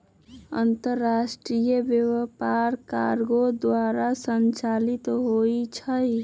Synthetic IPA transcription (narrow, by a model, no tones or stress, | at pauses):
ə̰nt̪əɾːasʈɾijəbjewəpaɾka̰ɾɡod̪waɾasənt͡ʃalit̪ɦoit͡ʃʰəj